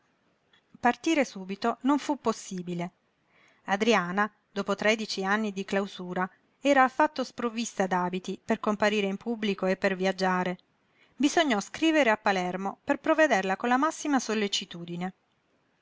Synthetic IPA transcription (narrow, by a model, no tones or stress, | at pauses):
part̪iːɾesuːbit̪onoɱfupːosːiːbile | ad̪ɾiaːna | d̪oːpot̪ɾɛd̪it͡ʃianːid̪iklawzuːɾa | ɛːɾaːfːat̪ːospɾovist̪ad̪aːbit̪iperkompaɾiːɾeimpubːlikoepːerviad͡ʒːaːɾe | bizoɲːɔskɾiːveɾeapːalɛrmoperpɾoved̪erlakonlamasːimasolːet͡ʃit̪uːd̪ine